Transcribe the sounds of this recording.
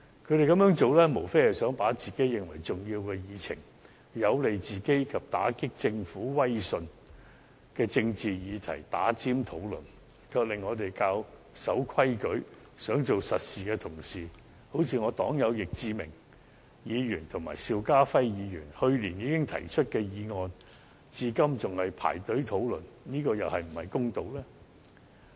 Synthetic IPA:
kʰɵ˨˧ɥɾe˨jkɐ˧mjœː˨˥ŋt͡so˨˧wlɛː˥mo˨˩wfe˥jhɐ˨sœː˨˥ŋpaː˨˥t͡siː˨ke˨˥jɪ˨˩ŋwɐ̰˨˩jt͡sʊ˨ŋjiː˧wkɛː˧jiː˨˧t͡sʰɪ̰˨˩ŋ | jɐ˨˧wle˨jt͡siː˨ke˥jkʰɐ˨p̚t̪a̰ː˨˥kɪ˥k̚t͡sɪ˧ŋfuː˨˥wɐ˥jsɵ˧n | kɛː˧t͡sɪ˧ŋt͡siː˨jiː˨˧t̪ʰɐ̰˨˩jt̪a̰ː˨˥t͡siː˥mt̪ʰo˨˥wlɵ̰˨n | kʰœː˧p̚lɪ˨ŋːɔː˨˧t̪e˨jkaː˧w | sɐ˨˥wkʰwɐ˥jkɵ˨˥ɥ | sœː˨˥ŋt͡so˨wsɐ˨t̚siː˨kɛː˧t̪ʰʊ˨˩ŋsiː˨˩ | ho˨˥wt͡sʰiː˧ŋɔː˨˧t̪ɔː˨˥ŋjɐ˨˧wjɪ˨k̚t͡siː˧mɪ̰˨˩ŋ | jiː˨˧jyː˨˩nt̪ʰʊ˨˩ŋmaː˨˩jsiː˧wkaː˥fɐ˥jjiː˨˧jyː˨˩nhɵ˧ɥliː˨˩njiː˨˧kɪ˥ŋt̪ʰɐ̰˨˩jt͡ʃʰɵ˥t̚kɛː˧jiː˨˧ŋɔː˧n | t͡siː˧kɐ˥mt͡sʊ˨˩ŋhɐ˨jpʰa̰ː˨˩jt̪ɵ˨˥ɥt̪ʰo˨˥wlɵ̰˨˩nniː˥kɔː˧jɐ˨whɐ˨jm̩˨˩hɐ˨jkʊ˥ŋt̪o˨˧wlɛː˥

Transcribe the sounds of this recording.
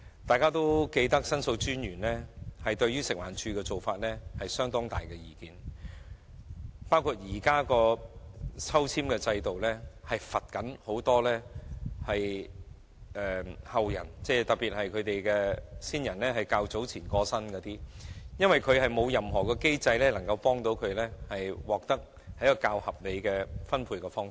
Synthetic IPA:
t̪aː˨jkaː˥t̪o˥wke˧jt̪ɐ˥k̚sɐ˥nso˧wt͡ʃyː˥njyː˨˩nlɛː˥hɐ˨jt̪ɵ˧ɥyː˥sɪ˨k̚wa̰ː˨˩nt͡ʃʰyː˧kɛː˧t͡so˨wfaː˧t̚lɛː˥hɐ˨jsœː˥ŋt̪ɔː˥ŋt̪a̰ː˨˩jkɛ˧jiː˨kiː˨˧n | paː˥wkʰu˨˧t̚jiː˨˩kaː˥kɔː˧ | t͡sʰɐ˥wt͡sʰiː˥mkɛː˧t͡sɐ˧jt̪o˨wlɛː˥hɐ˨jfɐ˨t̚kɐ˨˥nho˨˥wt̪ɔː˥lɛː˥hɐ˨j | ʔɛː˨˩hɐ˨wjɐ̰˨˩nt͡sɛː˧t̪ɐ˨k̚piː˨t̚hɐ˨jkʰɵ˨˧ɥt̪e˨jkɛː˧siː˥njɐ˨˩nlɛː˥ɦɐ˨jkaː˧wt͡so˨˥wt͡sʰiː˨˩nkɔː˧sɐ˥nkɔː˨˧t̪iː˥jɐ˥nwɐ˨jkʰɵ˨˧ɥɦɐ˨jmo˨˧wjɐ˨mɦɔː˨kɔː˧ke˥jt͡sɐ˧jlɛː˥lɐ˨˩ŋkɐ˧wpɔː˥ŋt̪o˨˥wkʰɵ˨˧ɥlɛː˥hɐ˨jwɔː˨k̚t̪ɐ˥k̚ | hɐ˨˥jkɔ˧kaː˧whɐ˨p̚le˨˧jkɛː˧fɐ˥npʰuː˧jkɛː˧fɔː˥ŋ˨

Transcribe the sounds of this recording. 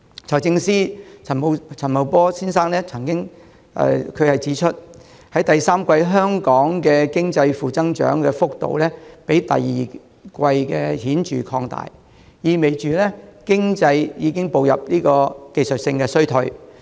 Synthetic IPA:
t͡sʰɐ˨˩wt͡sɪ˧ŋsiː˥ɐ˨˩˨t͡sʰɐ˨˩nmɐ˨wpɔː˥siː˥nsaː˥ŋlɛː˥t͡sʰɐ˨˩ŋkɪ˥ŋ | ɛ̰ː˨kʰɵ˨˧ɥhɐ˨jt͡siː˨˥t͡ʃʰɵ˥t̚ | hɐ˨˥jt̪ɐ˨jsaː˥mkʷɐ˧jɦœː˥ŋkɔː˨˥ŋkɛː˧kɪ˥ŋt͡sɐ˧jfuː˨t͡sɐ˥ŋt͡ʃœ̰ː˨˥ŋkɛː˧fʊ˥k̚t̪o̰˨wlɛː˥pe˨˥jt̪ɐ̰˨jːiː˨˩ | kʷɐ˧jkɛː˧hiː˨˥nt͡ʃy̰ː˨kʰɔː˧ŋt̪a̰ː˨j | jiː˨˧me˨˩jt͡ʃyː˨lɛː˥kɪ˥ŋt͡sɐ˧jjiː˨˧kɪ˥ŋpo˨wjɐ̰˨p̚liː˥kɔː˧ke˨jsɵ˨t̚sɪ˧ŋkɛː˧sɵ˥ɥt̪ʰɵ˧ɥ

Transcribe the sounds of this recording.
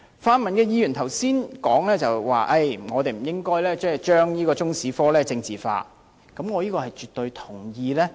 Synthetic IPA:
faː˧nmɐ˨nkɛː˧jiː˧jyː˨˩nt̪ʰɐ˨˩wsiː˥nkɔː˨˥ŋlɛː˥t͡sɐ˨wwa̰ː˨ʔɐ˧jŋɔː˨˧t̪e˨jm̩˨˩jɪ˥ŋkɔː˥jlɛː˥t͡sɛː˥˩t͡ʃœː˥ŋjiː˥kɔː˧t͡sʊ˥ŋsiː˨˥fɔː˥lɛː˥t͡sɪ˧ŋt͡siː˨fa̰ː˧ | kɐ˨˥mŋɔː˨˧jiː˥kɔː˧hɐ˨jt͡ʃyː˨t̪ːɵ˧ɥt̪ʰʊ˨˩ŋjiː˧lɛː˥

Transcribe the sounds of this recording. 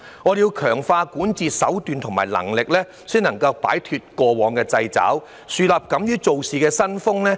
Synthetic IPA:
ŋɔː˨˧djiː˧wkʰœː˨˩ŋfaː˧kuː˨˥nt͡siː˨sɐ̰˨˥wt̪yː˨˧nt̪ʰʊ˨˩ŋmaː˨˩jlɐ̰˨˩ŋlɪ˨k̚lɛː˥ | siː˥nɐ˨˩ŋkɐ˧wpa̰ː˨˥jt̪ʰyː˧t̚kɔː˧wɔː˨˧ŋkɛː˧t͡sɐ˧jt͡sa̰ː˨˥w | syː˧laː˨p̚kɐ˨˥mjyː˥t͡so˨wsiː˨kɛː˧sɐ˥nfʊ˥ŋlɛː˥

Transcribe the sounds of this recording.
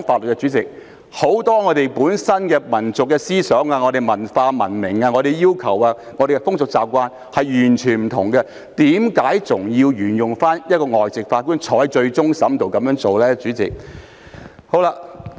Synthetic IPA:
nfaː˧t̚lɵ˨t̚kɛ˧t͡syː˨˥t͡sɪ˨k̚ | ho˨˥wt̪ɔː˥ŋɔː˨˧t̪e˨jpuː˨˥nsɐ˥nkɛ˧mɐ˨˩nt͡sʊ˨kːɛː˧siː˥sœː˨˥ŋaː˧ŋɔ˨˧ɾe˨˩jmɐ˨˩nfaː˧mɐ̰˨˩nmɪ˨˩ŋaː˧ŋɔː˨˧ɾe˨jiː˥wkʰɐ˨˩waː˧ | ŋɔː˨˧˥de˨kɛ˧fʊ˥ŋsʊ˨k̚t͡saː˨p̚kʷaː˧n | hɐ˨jjyː˨˩nt͡ʃʰyː˨˩nm̩˨˩t̪ʰʊ̰˨˩ŋkɛ˧ | t̪iː˨˥mkaː˨˥jt͡sʊ˨˩ŋjiː˧wjyː˨˩njʊ˨˩ŋfaː˥njɐ˥t̚kɔː˧ŋɔː˨˩jt͡sɪ˨k̚faː˧t̚kuː˥nt͡ʃʰɔː˨˥jt͡ʃɵ˧ɥt͡sʊ˥ŋsɐ˨˥mt̪o˨wkɐ˨˥mjœː˨˧˥ŋt͡so˨wlɛː˥t͡ʃyː˨˥t͡sɪ̰˨k̚ | ho˨˥wla˧

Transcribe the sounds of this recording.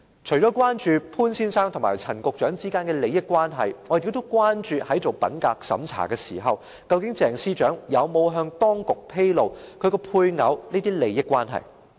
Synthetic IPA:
t͡ʃʰɵ˨˩ɥt͡ʃɔː˨˥kwaː˥nt͡ʃyː˧pʰuː˥nsiː˥nsaː˥ŋt̪ʰmaː˨˩jt͡sʰɐ˨˩nkʊ˨˧k̚t͡ʃœː˨˥ŋt͡siː˥kaː˥nkɛː˧le˨˧jːɪ˥kːʷwaː˥nɦɐ̰˨jŋɔ˨˧˨t̪o˥wkwaː˥nt͡ʃyː˨˧hɐ˨˥jt͡so˨˩wpɐ̰˨˥nkaː˧k̚sɐ̰˨˥mt͡sʰa̰ː˨˩kɛː˧siː˨˩ɦɐ˨w | kɐ˧wkɪ˨˥ŋt͡sɛː˨˩ŋsiː˥t͡ʃœː˨˥ŋjɐ˨˧wmo˨˧wɦœː˧ŋt̪ɔː˥ŋkʊ˨k̚pʰe˥jlo˨wkʰɵ˨˧kɛ˧pʰuː˧jŋɐ̰˨˧˥wniː˥t̪iː˥le˨˧jːɪ˥kːwaː˥nɦɐ̰˨˩j

